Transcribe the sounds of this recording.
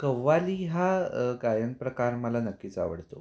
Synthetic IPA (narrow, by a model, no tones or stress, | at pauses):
kəʋːaliːɦaɡajənpɾəkaɾməlanəkːit͡sa̰ʋə̰ɽt̪o̰